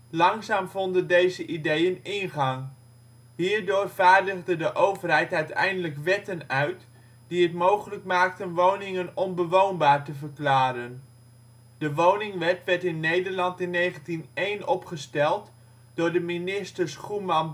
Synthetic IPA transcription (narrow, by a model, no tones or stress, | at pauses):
lɑŋzaːmvɔndəndejzəʔidejənɪnχɑŋ | ɦiːɹdʊːrvaːɹdəχdədəʔowvərɦɛjtœɥtɛ̰jndələkʋɛtənœɥt | d̥iɦətmowχələkmaːk̚tənʋownɪŋənɔnbəʋownbaːɹtəvəɹklaːɾən | d̥əʋownɪŋʋɛtʋɛɹtɪnːejdəɹlɑntɪnːejχəntinejnɔpχəstɛlˠt | d̥ʊːɹdəminɪstəɹsχumɑn